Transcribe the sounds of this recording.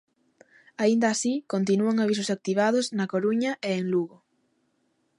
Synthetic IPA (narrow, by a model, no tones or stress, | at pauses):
aind̪aːsikont̪̬inuaŋaβis̬ʊsak̚t̪iβ̞aðʊznɐkoɾuɲɐʔeeŋluɣo